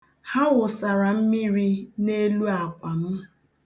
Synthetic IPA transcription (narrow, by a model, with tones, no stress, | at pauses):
ha˦ɣʊ˨sa˨ɾa˨m̩˦mi˦ɾi˦ne˦lu˦a˨kʷa˨m̩˦